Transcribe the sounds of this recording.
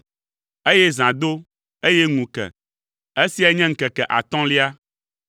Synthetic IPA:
e˦jɛ˦zã˨d̪o˦ | e˦jɛ˦ŋũ˨kɛ̰˨ | e˦si˦a˦ɲɛ̃˦ŋ̩˨kɛ˨kɛ˨ʔa̰˨t̪ɔ̃˦li˦a˦

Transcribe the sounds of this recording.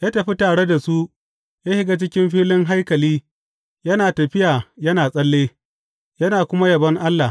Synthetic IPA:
jaː˦tɐ˨ɸi˦taː˨ɽe˦da˨su˦ʔ | jaː˦hɪ˦ɡaː˦t͡ʃɪ˦kʲɪ˦mɸiː˦lɪ˦ŋɦa˦jkɐ˨liː˦ | jɐ˦naː˨tɐ˨ɸɪ˦jaː˨jɐ˦naː˨sʼɐ˦lːeː˦ | jɐ˦naː˨kʷʊ˦ma˦jɐ˨bɐ˦ŋʔa˦lːa˨

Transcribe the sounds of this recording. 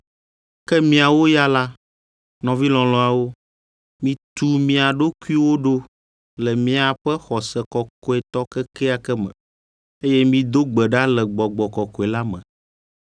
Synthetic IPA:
kɛ˦mĩ˦a˨wo˦ja˦la˦ | nɔ̃˨vi˦lɔ̃˨lɔ̃˨a˨wo˦ | mĩ˦t̪u˦mĩ˨a˨ɖo˦ku˦i˦wo˦ɖo˦ | lɛ˨mĩ˦a˨ɸɛ˦xɔ˨sɛ˨kɔ˨kɔ˦ɛ˨t̪ɔ˦kɛ˦kɛ˦a˨kɛ˦mɛ̰̃˨ | e˦jɛ˦mĩ˦d̪o˦ɡ͡bɛ˨ɖa˦lɛ˨ɡ͡bɔ˨ɡ͡bɔ˨kɔ˨kɔ˨ɛ˨la˦mɛ̰̃˨

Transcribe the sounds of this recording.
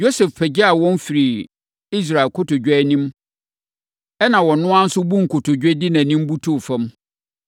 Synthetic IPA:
jo˦sɛ˨fpɛ˨d͡ʑɛ˦a˨wɔ̃˦n˦fi˨ɾi˨ | i˦s̬ɾa˨e˨kʰʊ˦tʊ˨d͡ʑᶣɛ˦nĩ˦m | ɛ˦nã˨wɔ̃˨nʊ̃˦ã˦n̩˦sʊ˦bũ˦ŋ̩˨kʰʊ˨tʰʊ˨d͡ʑᶣɛ˦dɪ˦nã˨nĩ˦m˦bu˦tʰu˦˨fã˦m

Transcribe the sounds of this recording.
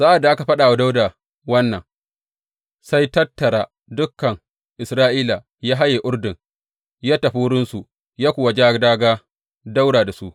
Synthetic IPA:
zaː˦ʔa˨da˨ʔa˦ka˨ɸa˦ɗaː˨wa˦da˦wda˨ | wɐ˦nːɐ̰˨ŋ | sa˦jtɐ˦tːɐ˨ɾaː˨ | dʊ˦kːɐ˨ŋ | ʔɪ˨sɾaː˦ʔiː˦la˨ | jaː˦ɦa˦jeː˨ʔʊ˦ɽdɪ˨ŋ | jaː˦ta˨ɸuː˦ɽɪ˦nsu˨ | jaː˦kʷʊː˨wa˨d͡ʒaː˦ɡdaː˦ɡaː˦ | da˦wɽaː˨da˨su˦ʔ

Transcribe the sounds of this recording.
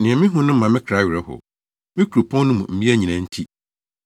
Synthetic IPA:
nɪ̃˨ɛ̃˨mɪ̃˦ɦʊ̃˦nʊ̃˦m̩˦mã˨mɪ̃˦kʰɾa˨˦ɥɪ˨ɾɛ˦hʊ̰˨ | mɪ̃˦kʰu˨ɾu˨pʰɔ̃˦n˦nʊ̃˦mũ˨m̩˦bi˦æ˦˨ɲĩ˨nã˨n̩˦tʰi˦

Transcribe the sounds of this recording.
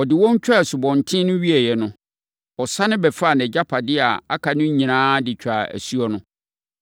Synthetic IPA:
ɔ˨dɪ˨wɔ˦ɲ̩˦t͡ɕᶣɾa˦˨sʊ˨bɔ̃˨n˨tʰɪ̃˦nʊ̃˦ɥi˦ɛ˨jɛ˨nʊ̃˦ | ɔ˨sa˦nɪ̃˦bɛ˨fa˦˨nɛ˨d͡ʑa˦pʰa˨dɪ˦a˨a˦kʰa˨nʊ̃˦ɲ˦ɲĩ˨nãː˦dɪ˨t͡ɕᶣa˨æ̰˨su˦ɔ˦nʊ̃˦

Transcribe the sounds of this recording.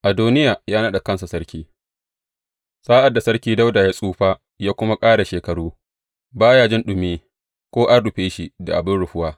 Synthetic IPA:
ʔa˨duː˦nɪ˦jaː˨jaː˦na˦ɗa˨kɐ˦nsa˨sɐ˦ɽkʲiː˦ | saː˦ʔa˨dːa˨sɐ˦ɽkʲiː˦da˦wda˨jaː˦sʼuː˦ɸaː˦ | jaː˦kʷʊ˦ma˦kʼaː˦ɽa˨ʃeː˨kɐ˨ɽuː˦ | baː˦jaː˦d͡ʒɪ˦nɗʊ˨meː˦ | kʷoː˦ʔa˦ɽʊ˨ɸeː˦ʃi˦da̰˨ʔa˨bɪ˦ɽʊ˨ɸʊ˦waː˦

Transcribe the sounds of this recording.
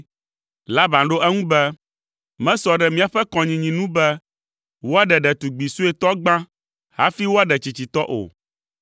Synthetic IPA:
la˦bã˨nɖo˦ʔɛ˦ŋũ˦bɛ˦ | mɛ̃˦sɔ˨ɖɛ˨mĩ˦a˨ɸɛ˦kɔ̃˨ɲĩ˨ɲĩ˨nũ˦bɛ˦ | wo˦a˦ɖɛ˨ɖɛ˨t̪u˨ɡ͡bi˨su˦ɛ˨t̪ɔ˦ɡ͡bã˦ | ha̰˦fi˦wo˦a˦ɖɛ˨t͡ɕi˨t͡ɕi˨t̪ɔ˦ʔo̰˨

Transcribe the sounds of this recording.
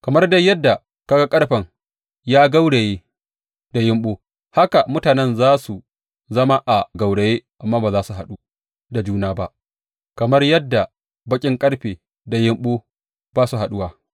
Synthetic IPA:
kɐ˨mɐ˦rdɐ˦jɐ˦dːa˨ | ka˦ɡa˦kʼɐ˦ɽɸɐ˨ŋ | jaː˦ɡa˦wɽe˨jeː˦ | da˨jɪ˦mɓoː˦ | ha˦ka˨mʊ˦taː˨nɛ˦nzaː˦su˨ | zɐ˦ma˦ʔa˨ɡa˨wɽe˨jeː˦ʔa˨mːaː˦baː˨zaː˦su˨ɦa˨ɗu˦ | da˨d͡ʒuː˦naː˦ba˦ʔ | kɐ˨mɐ˦rjɐ˦dːa˨ | bɐ˦kʲʼɪ˦ŋkʼɐ˦ɽɸeː˨ | da˨jɪ˦mɓoː˦ | b̥aː˦su˨ɦa˨ɗʊ˦waː˦

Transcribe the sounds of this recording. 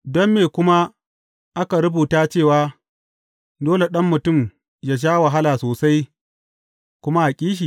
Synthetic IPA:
dɔ˦mːeː˨kʷʊ˦ma˦ | ʔa˦ka˨ɾʊ˦buː˨taː˦t͡ʃeː˦˨waː˦ | doː˦le˨ɗɐ˦mːʊ˨tʊ˦˨m | jaː˦ʃ̬aː˦wa˨ɦa˦laː˨soː˨sa˦j | kʷʊ˦ma˦ʔa˨kʲʼiː˦ʃ̬i˨

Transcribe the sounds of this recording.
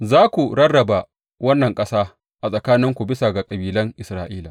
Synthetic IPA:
zaː˦kʷu˨ɽɐ˦rɐ˨ba˨ | wɐ˦nːɐ˨ŋkʼɐ˦saː˦ | ʔa˨sʼɐ˨kaː˦nɪ˦ŋkʷu˨bɪ˦sa˨ɡa˨kʼɐ˨biː˨lɐ˦ŋʔɪ˨sɾaː˦ʔiː˦la̰˨

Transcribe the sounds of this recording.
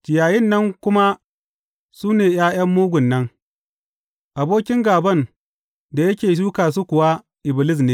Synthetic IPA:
kʲɪ˨jaː˨jɪ˦˨nːɐ˦ŋkʷʊ˦ma˦ | suː˦neː˨jaː˦j̰ɐ˦mːuː˦ɡʷʊ˨nːɐ˦ŋ | ʔa˨boː˦kʲɪ˦ŋɡaː˨bɐ˦˨n | da˨jɐ˦kʲeː˨s̬uː˦kaː˨s̬u˦kʷʊ˨wa˦ | ʔɪ˨bɪ˨lɪ˦s̬neː˦

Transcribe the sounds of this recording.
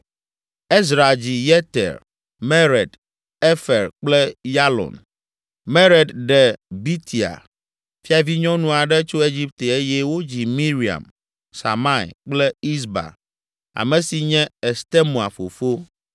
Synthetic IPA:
e˦z̬ɾa˨d͡ʑi˨jɛ˦t̪ḛ˨ɾ | mɛ˦ɾɛ˨d̪ | e˦fɛ˨ɾk͡plɛ˦ja˦lɔ̰˨n | me˦ɾe˨d̪ɖɛ˨bi˦t̪ʰi˨a̰˨ | fi˦a˨vi˦ɲɔ̃˦nũ˨a˨ɖɛ˦t͡ʃo˦e˦d͡ʑi˦p̚t̪e˨e˦jɛ˦wo˦d͡ʑi˨mĩ˦ɾi˨a̰˨m | sa̰˨ma˦ḭ˨k͡plɛ˦i˦sba̰˨ | a̰˨mɛ̃˨si˨ɲɛ̃˦e˨st̪e˦mũ˨a˨fo̰˨fo˦

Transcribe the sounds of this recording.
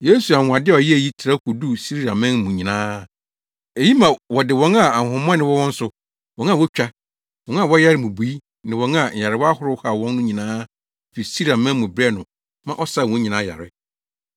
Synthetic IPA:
je˦su˨ã˨a˨dɪ˦ɔ˨ji˦æ˨ji˦tʰɪ˨ɾa˦kʰu˨du˦si˦ɾi˦ɾã˨mɛ̃˦nmʊ̃˨ɲĩ˨nãː˦ | e˨ji˦mã˨wɔ˨dɪ˨wɔ̃˦na˨a˨hʊ̃˨m˦ã˦nɪ̃˦wɔ˦wɔ̃˦n̩˦sʊ˨ | wɔ̃˨˦na˨wɔ˦t͡ɕᶣa˦ | wɔ̃˦n˦a˦˨wɔ˦ja˦ɾɪ˦mũ˨bu˨i˦ | nɪ̃˨wɔ̃˨˦na˨ɲ̩˨a˨ɾɪ˨wa˦hʊ˦ɾʊ˦ha˨wɔ̃˦nː˦ʊ̃˦ɲĩ˨nãː˦˨ | fi˨si˦ɾa˨mɛ̃˦nmʊ̃˨bɾɛ˦nʊ̃˨ | mã˦ʔɔ˦sa˦˨wɔ̃˦ɲĩ˨nãː˨˦ja̰˨ɾɪ˦

